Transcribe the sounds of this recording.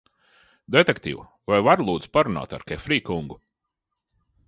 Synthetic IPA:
d̪et̪ekt̪ḭːw | vajvaɾlˠuːd̪zpaɾuna̰ːt̪a̰ɾkʲɛfɾiːkuŋɡu

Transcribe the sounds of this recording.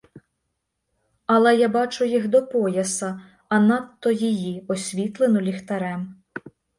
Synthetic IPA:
ɐlˠɛjabɑt͡ʃʊjixd̪ɔpɔjɐsɐː | nɑt̪ːɔjijiɔsʲʋʲit̪lˠenɔlʲixt̪ɐɾɛm

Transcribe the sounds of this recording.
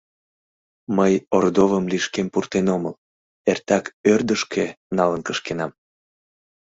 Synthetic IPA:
məjord̪ovəmliʃkempurt̪enoməl | ert̪ɑkørd̪əʃkʰe | nɑlənkəʃkenɑm

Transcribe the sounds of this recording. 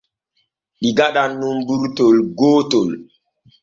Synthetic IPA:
ɗiɡaɗanːumbuɾtolɡoːtol

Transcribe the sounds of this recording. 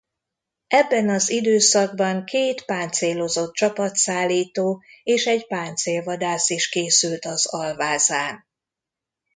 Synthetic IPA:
ɛbːɛnɒzid̪øːsɒɡ̚bɒŋkʰeːt̪paːnt̪seːlo̞zo̞t̪̚t͡ʃɒpɒt̪saːlːiːt̪oːeːʃɛɟpaːnt̪seːlvɒd̪aːsiʃkeːsylt̪ɒzɒlvaːzaːn

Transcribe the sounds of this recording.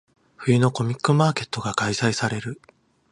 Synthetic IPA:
ɸɯ̟jɯ̟no̞ko̞mʲikːɯ̟maːke̞t̪ːo̞ɡakaisaisaɾe̞ɾɯ̟

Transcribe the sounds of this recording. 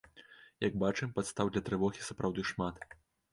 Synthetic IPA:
jɐɡ̚bat͡ʂɨmpat̪st̪awd̪lʲɐt̪ɾɨvɔɣʲisapɾawd̪ɨʂmat̪

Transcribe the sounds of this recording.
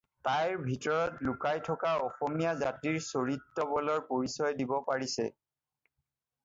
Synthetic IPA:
tajɹbʱitɔɹɔtlʊkajtʰɔkaɔxɔmijazatiɹsoɹitːɔbɔlɔɹpoɹisɔjdibɔpaɹisɛ̰

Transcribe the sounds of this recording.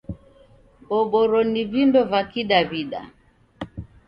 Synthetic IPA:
ɓɔɓɔɾɔnivindɔvakiɗaβiɗa̰

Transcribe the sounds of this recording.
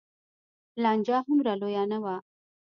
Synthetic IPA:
lɑnd͡ʒɑɦʊmɾalojɑnawa

